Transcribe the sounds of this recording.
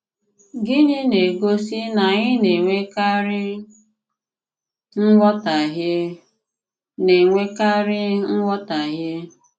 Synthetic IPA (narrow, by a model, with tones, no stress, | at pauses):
ɡɪ˦nɪ˦ne˨ɡo˦si˦na˨ɲɪ˦ne˨ŋʷe˦ka˦ɾɪ˦ | ŋ̩˦ŋʷɔ˦ta˨ɦje˦ | ne˨ŋʷe˦ka˦ɾɪ˦ŋ̩˦ŋʷɔ˦ta˨ɦje˦